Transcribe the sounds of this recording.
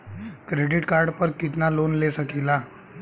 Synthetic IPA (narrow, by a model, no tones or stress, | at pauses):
kɾeɖiʈkaɾɖpəɾkit̪nalonlesəkʰila